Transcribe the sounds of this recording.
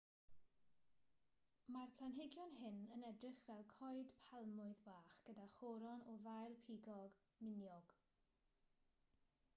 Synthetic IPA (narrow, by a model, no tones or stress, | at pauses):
marpʰlˠanɦɪɡjɔnɦɪnənɛdrɪχvɛlˠkʰɔɨd̥pʰalˠmʊɨðbaːχɡ̥ədaχɔɾɔnɔðajlˠpʰiːɡɔɡ | mɪnjɔɡ̥